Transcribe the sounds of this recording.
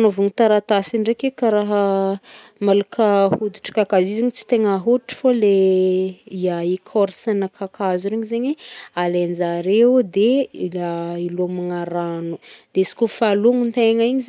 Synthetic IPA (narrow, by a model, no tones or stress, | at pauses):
novuŋit̪aɾat̪asiɳɖ͡ʐekekaɾaɦə | malakʰahud̪iʈ͡ʂə̥kakaziziɲit͡si̥t̪eŋaɦuiʈ͡ʂi̥fole | iaikʰoɾisanakʰakʰazuɾeɲizeɲialend͡ʒaɾeud̪eailomaŋaɾanud̪̥esi̥kʲofaluŋint̪eŋaiɲiz